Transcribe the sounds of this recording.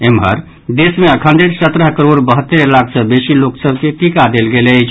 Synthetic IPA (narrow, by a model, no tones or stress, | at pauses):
emɦə̰ɾ | d̪esmeəkʰənd̪eɾsət̪ɾəɦkəɾoɽbəɦət̪ːəɾlakʰsəbesiloksəb̚ʱkeʈikad̪elɡelət͡ʃʰ